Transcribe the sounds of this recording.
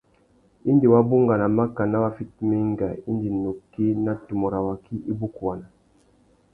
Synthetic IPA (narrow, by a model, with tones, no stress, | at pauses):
i˦ndi˨wa˦bu˦ŋɡa˨na˨ma˦ka˨na˦wa˦fi˦t̚mi˦ŋɡa˨i˦ndi˨no˨ki˦na˦tu˨mɔ˨ɾa˨wa˨ki˦ʔi˦bu˦kwa˨na˨